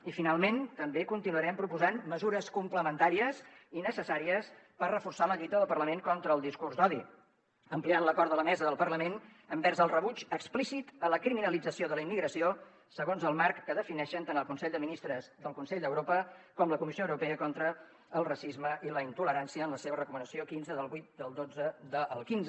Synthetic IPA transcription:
ifinalˠment̪əmbekunt̪inuəɾɛmpɾupuzanməzuɾəskumpləmənt̪aɾiəsinəsəsaɾiəspərrəfursaləʎit̪əðəlˠpərləmeŋkɔnt̪ɾəːlˠd̪iskurzd̪ɔðḭ | əmplianləkɔɾt̪ələmɛzəðəlˠpərləmen | əmbɛrzəlˠrəβud͡ʒəksplisit̪ələkɾiminəlid͡zəsioðələimːiɣɾəsio | səɣonzəlˠmarkːəðəfinɛʃənt̪anəlˠkunsɛʎd̪əminist̪ɾəzðəlˠkunsɛʎd̪əwɾopəkɔmləkumisioəwɾupɛəkɔnt̪ɾəː | lˠrəsizməʔiləint̪uləɾansiəːnləseβ̞ərəkumənəsiokinzəðəlˠβujt̪̚d̪əlˠd̪od͡zəd̪əʔəlˠkinz

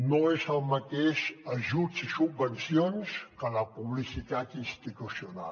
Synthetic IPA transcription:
noezəlˠmət̪eʃəʒusisubbənsionskələpuβlisit̪at̪inst̪it̪usiuna̰l

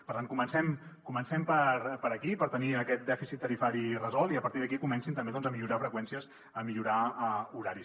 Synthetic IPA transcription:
pəɾt̪ankumənsɛmkumənsɛmpəɾpəɾəkipəɾt̪əniəkɛt̪̚d̪ɛfisit̪ːəɾifaɾirəzɔlˠiəpəɾt̪iðək̬ikumɛnsint̪əmbeðɔnzəmiʎuɾafɾəkwɛnsiəz | əmiʎuɾaəuɾaɾis

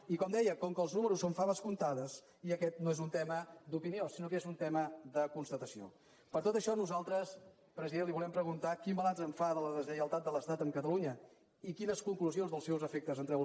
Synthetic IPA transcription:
ikɔmd̪ɛjəkɔŋkəːlˠznuməɾusːoɱfaβəskunt̪aðəs | iəkɛt̪̚noezunt̪ɛməd̪upiniosinokezunt̪ɛməd̪əkunst̪ət̪əsio̰ | pəɾt̪ot̪əʃɔnuzalˠt̪ɾəs | pɾəziðenliβulɛmpɾəɣunt̪akimbəlazəɱfaðələðəzəjəlˠt̪at̪̚d̪ələst̪at̪əŋkət̪əluɲə | ikinəskuŋkluzionzðəlˠsɛwzəfek̚t̪əzənt̪ɾɛ

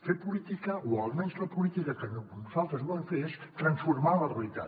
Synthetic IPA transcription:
fepulit̪ikəualˠmẽnzləpulit̪ikəkənnuzalˠt̪ɾəzβɔðəɱfeɾest̪ɾənsfuɾmalərəit̪a̰

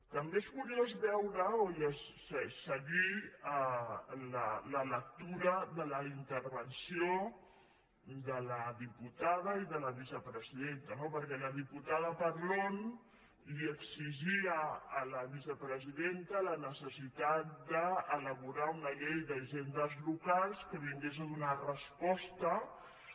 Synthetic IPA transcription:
t̪əmbezβuɾiəzβɛwɾəojəssəsəɣi | lələlək̚t̪uɾəðələint̪əɾβənsio | d̪ələðiput̪aðəiðələβ̞isəpɾəziðent̪ənopəɾkɛləðiput̪aðəpəɾlon | liəksiʒiəːləβ̞isəpɾəziðent̪ələnəsəsit̪at̪̚d̪əːləβuɾaunəʎejðəʒend̪əzlukalˠskət̪iŋɡezəðunarəspɔst̪ə

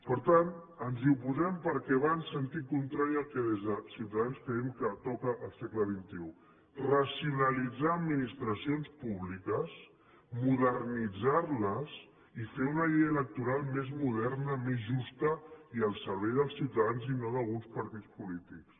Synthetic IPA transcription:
pəɾt̪an | ənziupuzɛmpəɾkɛβansənt̪ikunt̪ɾaɾiəlˠkɛðezðəsiwt̪aðanskəɛmkət̪ɔkəʔːlˠsekləβ̞int̪iu | rəsiunəlid͡zaəd̪minist̪ɾəsionspuβlikəs | muðərnid͡zarləs | ifeunəʎejələk̚t̪uɾalˠmezmuðɛɾrnəmezʒust̪əiəlˠsəɾβɛjðəlˠsːiwt̪əðanzinoðəlˠɣunspəɾt̪it͡spulit̪iks

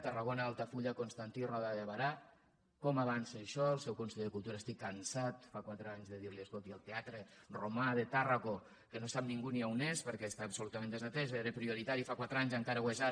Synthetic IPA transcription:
t̪əraɣonaalˠt̪afuʎakonst̪ant̪irɔðaðβaɾa | kɔmaβanseʃɔəlˠsɛwkonseʎeəkulˠt̪uɾəst̪ikːansat̪fakwat̪ɾəaɲzðəðiɾliəskolˠt̪iəlˠt̪eat̪ɾeromaðet̪araɣo | kənosap̚niŋɡuniawnespəɾkɛst̪aːpsolut̪əmẽnd̪əzat̪ɛzeɾepɾioɾit̪aɾifakwat̪ɾaɲzəŋkaɾəweza

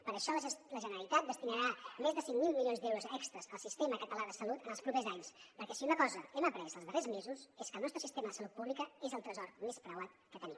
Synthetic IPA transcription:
pəɾəʃɔlləʒənəɾəlˠit̪at̪̚d̪əst̪inəɾamezðəsiŋmilˠmilijonzd̪ewɾuzɛkst̪ɾəzəlˠsist̪eməkət̪əlaðəsəlut̪ənəlˠspɾupezaɲspəɾkɛsiunəkɔzəɛməpɾɛzəlˠzðərezmezuzeskəlˠnɔst̪ɾəsist̪eməðəsəlut̪̚puβlikəezəlˠt̪ɾəzɔrmespɾəwat̪̚kət̪ənim

